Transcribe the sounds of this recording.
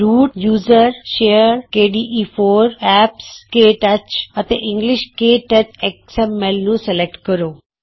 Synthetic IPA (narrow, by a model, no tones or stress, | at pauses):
ɾuːʈjuːzəɾʃejəɾkeːɖiːʔifoːɾɛpskeːʈɐt͡ɕət̪eʔɪ̃ŋɡlɪʃkeːʈɐt͡ɕeksemelnũselek̚ʈkəɾoː